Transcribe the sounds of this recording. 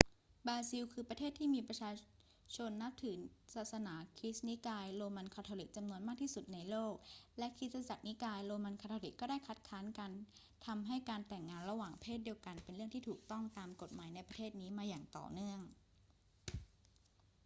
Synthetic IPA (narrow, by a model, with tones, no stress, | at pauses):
bɾaː˧si˧wkʰɯː˧pɾa˧t̪ʰeː˥˩t̪ʰːiː˥˩miː˧pɾa˧t͡ɕʰaː˧ | t͡ɕʰo˧nːa˦˥p̚t̪ʰɯː˩˦saː˨˩t̪̚sa˧naː˩˦kʰi˦˥sni˦˥kaː˧jɾoː˧ma˧nkʰa˧t̪ʰoː˧li˨˩k̚t͡ɕa˧mnu˧ənmaː˥˩k̚t̪ʰiː˥˩su˨˩t̪̚na˧jloː˥˩k̚lɛ˦˥kʰi˦˥sa˧t͡ɕa˨˩k̚ni˦˥kaː˧jɾoː˧ma˧nkʰa˧t̪ʰːo˧li˨˩kːɔː˥˩daː˥˩jkʰa˦˥t̪̚kʰaː˦˥nka˧n | t̪ʰa˧mɦa˥˩jkaː˧nt̪ɛ˨˩ŋːaː˧nɾa˧waː˨˩ŋpʰeː˥˩t̪̚di˧əwka˧npe˧nɾɯ˥˩əŋt̪ʰiː˥˩t̪ʰuː˨˩k̚t̪ɔ˥˩ŋt̪aː˧mko˨˩t̪̚maː˩˦jna˧jpɾa˧t̪ʰeː˥˩t̪̚niː˦˥maː˧jaː˨˩ŋt̪ɔ̰ː˨˩nɯ˥˩əŋ